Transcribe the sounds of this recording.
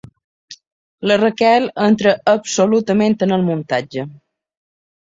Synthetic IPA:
lərəkɛlənt̪ɾəəpsolut̪əmẽnt̪ənəlˠmunt̪ad͡ʒə

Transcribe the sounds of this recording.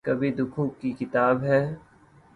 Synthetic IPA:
kɐbʱid̪ʊkʰũkikɪt̪aːbɦɛː

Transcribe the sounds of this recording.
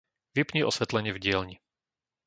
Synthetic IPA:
ʋipɲiʔɔsʋɛt̪lɛɲɪɛvɟɪɛlɲi

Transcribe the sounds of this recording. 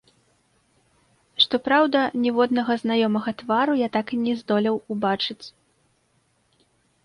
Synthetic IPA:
ʂt̪ɔpɾawd̪ɐnʲɛvɔd̪nɐɣɐznajɔmɐɣɐt̪vaɾujat̪aknʲɛzd̪ɔlʲɛwubat͡ʂɨt͡sʲ

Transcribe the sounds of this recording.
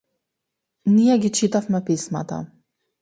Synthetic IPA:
nʲijɛɡʲit͡ʃit̪afmɛpismat̪a̰

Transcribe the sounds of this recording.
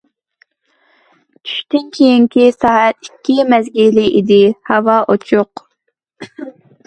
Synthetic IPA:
t͡ʃʰy̥ʃt̪ɪnkʲʰejiŋkʲisɑːɦæt̪ikʲːimɛzɡʲilɪʔid̪ɪhɑvɑʔot͡ʃʰʊq

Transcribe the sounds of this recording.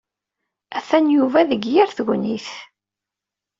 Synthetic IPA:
æθænjuvæðəɡjæɾθəɡʷniθ

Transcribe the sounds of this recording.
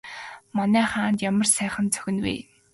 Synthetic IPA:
manæːχaːnt̪jamə̆rsæːχə̆nt͡sʰœ̥xʲɪ̆nwḛː

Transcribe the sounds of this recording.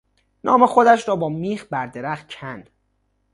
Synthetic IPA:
nʔɒːmexod̪æʃɾɒːbɒːmiːxbæɾd̪eɾæxt̪̚cʰænd̪̥

